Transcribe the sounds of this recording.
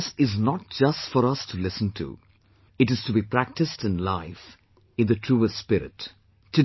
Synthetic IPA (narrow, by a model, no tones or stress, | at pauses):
sɪznɔʈ̚d͡ʒʌstfɔɾʌstʰulɪsə̃n̩tʰṵ | ɨʈɨz̥tʰubipɾæk̚tɨstɨ̃nlaɪf | ɨ̃nðɨtʰɾuːəspɪɾɪ̰tʰː | ɨ